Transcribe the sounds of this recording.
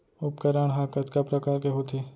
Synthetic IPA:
ʊpkəɾəɳ̃ɦaːkət̪kapɾɐkaːɾkeɦoːt̪ʰeː

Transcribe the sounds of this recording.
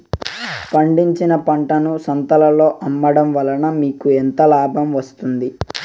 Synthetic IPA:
pɐɳɖiɲt͡ʃinɐpɐɳʈɐnusɐnt̪ɐlɐlo̞ːʔɐmːɐɽɐmʋɐlɐnɐmiːkuɛnt̪ɐlaːbʱɐmʋɐst̪und̪i

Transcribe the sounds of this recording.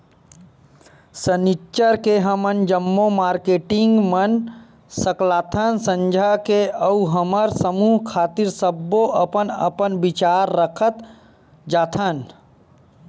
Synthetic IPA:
sənit͡ʃəɾkeɦəmənd͡ʒəmːomaːɾkeːʈɪŋɡmən | səklaːt̪ʰənsə̃ɲd͡ʒʱakeəuɦəməɾsəmuːɦkʰaːt̪iɾsəbːoʔəpənə̰pənbɪt͡ʃaːɾːəkʰət̪ | d͡ʒaːt̪ʰən

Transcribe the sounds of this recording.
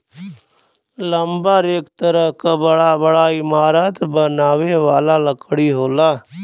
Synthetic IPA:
ləmbaɾeːkt̪əɾəɦkabəɽabəɽaɪmaːɾət̪bənaːʋeʋaːlaləkɽiɦoːlaː

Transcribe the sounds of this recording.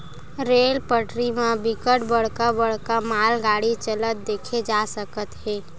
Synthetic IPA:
ɾeːlpəʈɾimãbɪkəʈbəɽ̤kabəɽ̤kamaːlɡaːɽit͡ʃələt̪̚d̪eːkʰed͡ʒaːsəkət̪ɦeː

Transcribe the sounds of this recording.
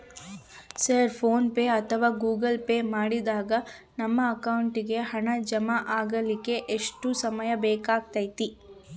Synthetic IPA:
sɐɾpʰoːnpeːɐt̪ʰɐʋaːɡuːɡɐlpeːmaːɽid̪aːɡɐ | nɐmːɐːkɐwuɳʈiɡe̞ɦɐɳɐd͡ʒɐmaʔaːɡɐlikːe̞ʔeʂʈusɐmɐjɐbɛːkaːɡ̚t̪ɐjt̪i

